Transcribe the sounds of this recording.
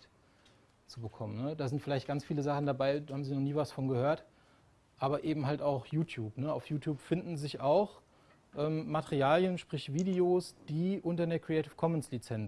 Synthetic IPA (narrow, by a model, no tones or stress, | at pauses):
t | t͡subəkʰɔmənəd̥aːzɪntfɪlaɪçt̚ɡ̥ant͡sfiːləzaχn̩dabaɪaːbmziːnɔχniːvasfɔnɡəhøːɐt | ʔaːbɐʔeːbm̩ɦaltaʊxjuːtʰjuːpnəa̰ʊfjuːtʰjuːpfɪndn̩zɪçaʊx | ʔɛːmmatʰɛʁiaːljənʃpʁ̥ɪçv̥iːdeoːsd̥iːʔʊntɐdeːɐkʁ̥iɛɪtɪfkʰɔmɛnslit͡sɛnt͡s